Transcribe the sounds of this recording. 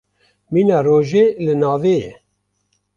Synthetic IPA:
miːnɛroːʒeːlɨnɑːveːjɛ̰

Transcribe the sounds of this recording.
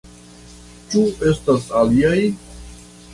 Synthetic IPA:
t͡ʃue̞stasaliaj

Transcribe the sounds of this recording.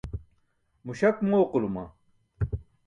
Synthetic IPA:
muɕɐkmoːqulumɐ̰

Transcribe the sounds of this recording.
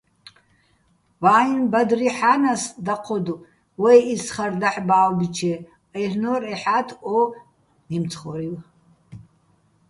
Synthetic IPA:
waːinbɐd̪riħanasd̪aqʰɔd̪u | wɛjisχɐrd̪aħbaːwbit͡ʃʰɛ | ernɔreħatʰɔ | nimt͡sʰχɔɾiw

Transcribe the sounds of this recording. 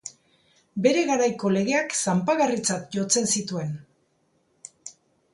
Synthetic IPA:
be̞ɾe̞ɣaɾajko̞le̞ɣ̞e̞aksampaɣarit͡sat̪ʝo̞t͡se̞nsit̪ue̞n

